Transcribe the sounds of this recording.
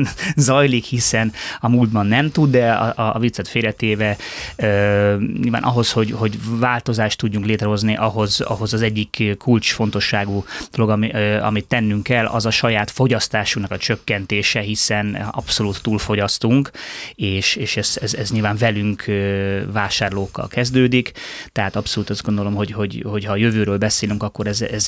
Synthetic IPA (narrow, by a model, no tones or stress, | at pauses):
zɒjlikhisɛnɒmuːld̪̚bɒnːɛmt̪ud̪d̪ɛɒ̰ɒ̰vit̪sɛt̪feːɾɛt̪eːvɛøːɲḭlva̰ːnʔɒ̰ɦo̞sho̞ɟho̞ɟvaːlt̪o̞zaːʃt̪ːuɟːuŋkleːt̪ɾɛɦo̞zniʔɒɦo̞zɒ̰ɦo̞zɒzɛɟːikkːult͡ʃfo̞n̪t̪o̞ʃːaːɡud̪̥o̞lo̞ɡɒɒ̰mit̪ːɛnːyŋkɛlʔɒ̰zɒʃɒjaːt̪foɟɒst̪aːʃuknɒkɒt͡ʃø̞kːɛnt̪eːʃɛɦisɛnɒpso̞luːt̪ːuːlfo̞ɟɒst̪uŋkeːʃeːʃɛzɛzɛzɲiːlvaːɱvɛlyŋkʰøvaːʃaːrloːkːɒ̰lkɛzd̪øːd̪ikt̪ɛɦaːt̪ɒpso̞luːt̪ɒzɡond̪o̞lo̞mɦo̞ɟho̞ɟho̞chɒːjø̞vøːɾøːlbɛseːlyŋkɒkːoɾɛzɛz